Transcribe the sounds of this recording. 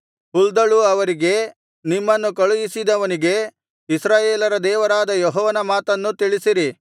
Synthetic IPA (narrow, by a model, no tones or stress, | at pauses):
uld̪ɐɭuɐʋɐɾiɡe̞ | nimːɐnːukɐɭujisid̪ɐʋɐniɡe̞ | isɾaːjeːlɐɾɐd̪ɛːʋɐɾaːd̪ɐjɔɦɔːʋɐnɐmaːt̪ɐnːut̪iɭisiɾi